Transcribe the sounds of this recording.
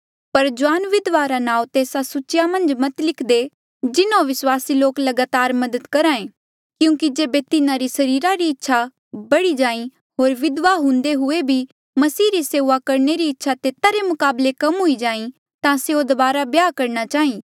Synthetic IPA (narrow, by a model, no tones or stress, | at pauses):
pɐɾd͡ʒʊaːnʋɪd̪ʋaɾanãːũt̪eːsasʊt͡ʃjamɐ̃nd͡ʒmɐt̪lɪkʰd̪e | d͡ʒɪnõʋɪswaːsiloːklɐɡaːt̪aːɾmɐd̪əd̪kɐɾaːẽ | kjũːkid͡ʒeːbet̪ɪnãɾisɐɾiːɾaɾiɪtːʃʰa | bɐɽid͡ʒaːĩ | ɦoːɾʋɪd̪ʋaɦʊ̃nd̪eɦʊebʱi | mɐsiːɾiseːʋakɐɾneɾiɪtːʃʰat̪eːt̪aɾemʊkaːblekɐmɦʊid͡ʒaːĩ | t̪ãseod̪ɐbaːɾabjaːkɐɾnat͡ʃaːɦĩː